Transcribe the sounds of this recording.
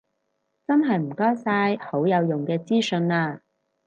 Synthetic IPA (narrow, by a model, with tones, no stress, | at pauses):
t͡sɐ˥nɦɐ˨jm̩˨˩kɔː˥jsaː˧jho˨˥wjɐ˨˧wjʊ˨˩ŋkɛː˧t͡siː˥sɵ˧naː˧